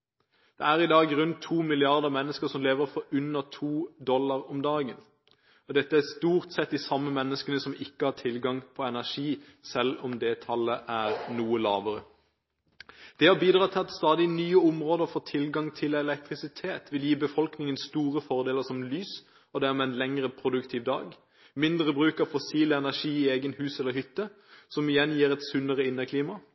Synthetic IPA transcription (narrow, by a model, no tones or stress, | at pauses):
d̪̥ɛæʁɪd̪ɑːɡɾʉnt̪ʰːuːmɪlɪɑʁd̪əʁmɛnːəskəsɔmleːʋəɾfɔɾʉnːəʁt̪ʰuːd̪ɔlːɑʁɔmd̪ɑːɡən | ɔd̪ɛt̪ːəæst̪uːʁt̪sɛt̪̚d̪ɪsɑmːəmɛnːəskənəsɔmɪkːəhɑt̪ʰɪlɡɑŋpʰɔɛnæʂiː | sɛlɔmd̪ɛt̪ʰɑlːəʔæʁnuːəlɑ̰ːʋəʁə | d̪̥ɛhɑbiːd̪ʁɑːt̪ʰɪlɑt̪st̪ɑːd̪ɪnyːəʊmʁoːd̪əfɔt̪ʰɪlɡɑŋt̪ʰɪlɛlɛkt̪ʁɪsɪt̪ʰeːt̪ʰʋɪljiːbəfɔlknɪŋənst̪uːʁəfɔʁd̪eːləsɔmlyːs | ɔd̪ɛæmɛɛnlɛŋʁəpʰɾʊd̪ʉkt̪ʰiːʋd̪ɑ̰ːɡ | mɪnd̪ɾəbɾʉːkɑfɔsiːləɛnæʂiːɪeːɡənhʉːsɛlːəhʏt̪ːə | sɔmɪjɛnːjiːɾɛt̪sʉnːəʁəɪnːəkʰliːmɑ